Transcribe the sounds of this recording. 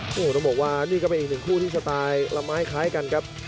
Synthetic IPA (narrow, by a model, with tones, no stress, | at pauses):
ʔoː˧˩ɾa˧˩bɔː˨˩k̚waː˧˩niː˥˩kɔ˥˩pe˧nʔiː˨˩nɯ˨˩ŋkʰuː˥˩t̪ʰiː˥˩sa˧t̪aː˧jla˧maː˦˥jkʰaː˦˥jka˧nkʰa˦˥p̚